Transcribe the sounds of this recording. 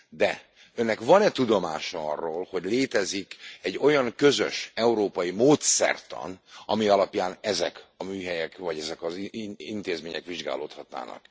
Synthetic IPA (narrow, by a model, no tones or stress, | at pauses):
d̪ɛ | ønːɛkvɒnɛt̪ud̪o̞maːʃɒɒrːoːlho̞ɟleːt̪ɛzikɛɟːo̞jɒŋkø̞zø̰ʃɛuɾoːpɒjimoːt̪sɛ̰rt̪ɒ̰nɒ̰miɒlɒpjaːnɛzɛkɒmyːɦɛjɛkvɒɟɛzɛkɒzint̪eːzmeːɲɛkʋiʒɡa̰ːlo̰ːt̪hɒt̪na̰ːnɒ̰k